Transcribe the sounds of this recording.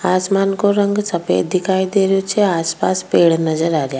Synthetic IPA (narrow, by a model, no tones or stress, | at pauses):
aːsmaːnkoɾəŋɡsɐpḛːd̪ɪkʰaːjd̪eːɾjot͡ʃʰeaːspaːspeːɽnɐzəɾaːɾjaː